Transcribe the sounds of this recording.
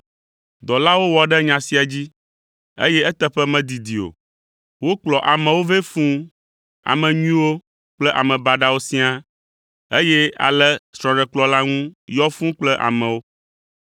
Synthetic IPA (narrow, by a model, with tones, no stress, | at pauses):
d̪ɔ˨la˦wo˦wɔ˨ɖɛ˦ɲã˨si˦a˨d͡ʑi˦ | ḛ˦jɛ˦ɛ˦t̪ɛ˦ɸɛ˦mɛ̃˨d̪i˨d̪i˨o̰˨ | wo˦k͡plɔ˨ʔa˨mɛ̃˨wo˦ve˦fũ˦ | a̰˨mɛ̃˨ɲĩ˦wo˦ | k͡plɛ˦ʔa˨mɛ̃˨ba˨ɖa˦wo˦sĩ˦a˦ | e˦jɛ˦a̰˨lɛ˦sɾ̃ɔ̃˨ɖɛ˨k͡plɔ˨la˦ŋũ˦jɔ˦fũ˦k͡plɛ˦ʔa̰˨mɛ̃˨wo˦